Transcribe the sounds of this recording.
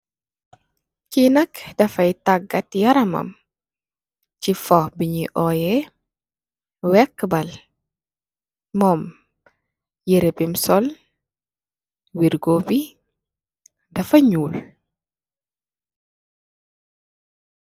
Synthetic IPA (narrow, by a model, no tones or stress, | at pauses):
kinɐkdɐfɐjtaɡːɐtjɐɾɐmɐ̰m | cifɔhbiɲiʔɔːjɛ | wɛkːbɐl | mɔm | jiɾɛbimsɔl | wiɾɡoːbi | dɐfɐɲuːl